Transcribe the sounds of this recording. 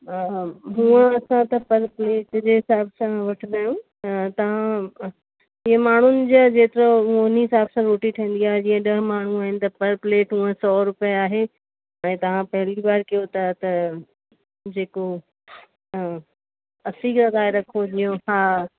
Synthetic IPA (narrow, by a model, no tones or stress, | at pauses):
ɦũə̃ɐsãt̪ɐpɐɾpleːʈd͡ʑeːɦɪsaːbsãʋɐʈʰd̪aːjũ | t̪ɐʋ̤ã | ɪɦə̃maːɳ̤ʊnɪ̆d͡ʑad͡ʑeːt̪ɪɾoʊniɦɪsaːbsãɾoːʈiʈʰiĩːnd̪iaːɦed͡ʑĩːə̃ɗɐɦmaːɳ̤ũaːɦɪnɪ̆t̪ɐpɐɾpleːʈɦũə̃sɔːɾʊpijaaːɦe | ɛ̃ːt̪ɐʋ̤ãpɐɦɪlibaːɾkijot̪at̪ɐ | d͡ʑeːko | ɐsiɡɐɣaːɪɾɐkʰodijõhaː